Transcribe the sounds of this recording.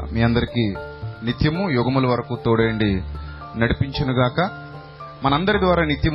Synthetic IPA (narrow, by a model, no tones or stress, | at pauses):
miːɐnd̪ɐɾikinit̪jɐmujuɡɐmulɐʋɐɾɐkuːt̪oːɽɐjɐɳɖi | nɐɽipiɲt͡ʃɐnuɡaːkɐ | mɐnɐɐnd̪ɐɾid̪ʋaːɾaːnit̪jɐm